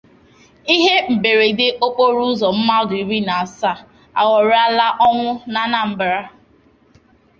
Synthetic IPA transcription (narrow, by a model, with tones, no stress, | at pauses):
i˦ɦe˦m̩˨be˨ɾe˨dɪ˦ʔo˦k͡po˦ɾu˦zɔ˨m̩˦ma˦ɔ˦dʊ˨i˨ɾi˦na˨a˨sa˦˨ | a̰˨wɔ˨ɾa˦la˦ʔɔ˦ŋʷʊ˦na˨na˨m̩˨bɾa˦